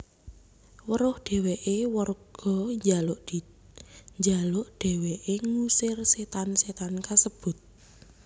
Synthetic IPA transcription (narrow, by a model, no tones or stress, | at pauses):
wəɾʊhɖ̪̥e̤weʔewərɡ̥ɔ̤ɲd͡ʒalʊʔd̥i | ɲd͡ʒalʊʔɖ̪̥e̤weʔeŋusɪrset̪anset̪ankasəb̥ʊ̤t̪̚